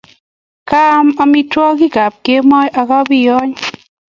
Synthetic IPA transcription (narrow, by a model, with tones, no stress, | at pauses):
ka˦ma˧mi˦twɔ˦ki˦˨ka˨p̚ke˦mɔ˦jʔa˧ka˦bi˦˨jɔ˦ɲ